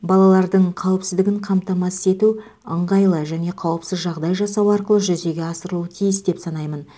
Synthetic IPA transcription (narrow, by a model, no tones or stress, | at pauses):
bɑlˠɑlˠɑɾd̪əɴqʰɑwəpsɪzd̪ɪɡʲɪɴqʰɑmt̪ɑmɑse̞t̪u | əɴʁɑjlˠəʒæne̞qʰɑwəpsɪzʒɑʁd̪ɑjʒɑsɑwɑɾqəlˠəʒʏze̞ɡʲeɑsəɾəlˠuwət̪ʰijɪsd̪e̞psɑnɑjmən